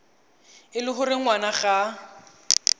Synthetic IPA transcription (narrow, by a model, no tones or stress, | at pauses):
ɪlɪχʊɾɪŋ̩wanaχa